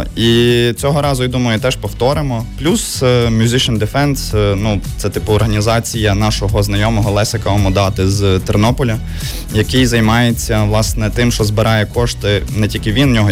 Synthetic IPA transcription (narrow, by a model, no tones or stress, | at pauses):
it͡sʲɔɦɔɾɑzʊjid̪umɐjʊt̪ɛʃpɔwt̪ɔɾɪmɔplʲusmʲjʊzɪʃɐnd̪ɪfɛnsnut̪sɛt̪ɪpʊɔrɦɐnʲizɑt͡sʲijɐnɑʃɔɦɔznɐjɔmɔɦɔlˠɛsekɐɔmɔd̪ɑt̪ɪzt̪ɛrnɔpɔlʲɐ | jɐkɪjzɐjmɑjet͡sʲːɐʋlˠɑsnɛt̪ɪmʃt͡ʃɔzbɪɾɑjɛkɔʃt̪ɪnɛtʲilʲkɪʋʲinnʲɔɦɔ